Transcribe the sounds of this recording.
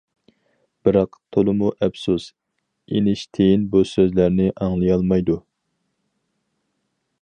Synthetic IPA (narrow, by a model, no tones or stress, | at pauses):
b̥ɪɾɑqt̪ʰolˠɨmuʔɛpsus | enɪʃt̪ʰejinbusøzlæɾnɪʔɑŋlˠɨjɑlˠmɑjd̪u